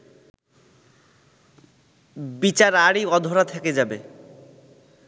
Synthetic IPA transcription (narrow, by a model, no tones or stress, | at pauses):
bit͡ɕaɾaɽiɔd̪ʱoɾat̪ʰɛked͡ʑabe